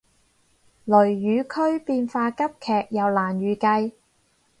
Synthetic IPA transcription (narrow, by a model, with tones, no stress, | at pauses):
lɵ˨˩ɥːyː˨˧kʰɵ˥ɥpiː˧nfaː˧kɐ˥p̚kʰɛː˨k̚jɐ˨wlaː˨˩njyː˨kɐ˧j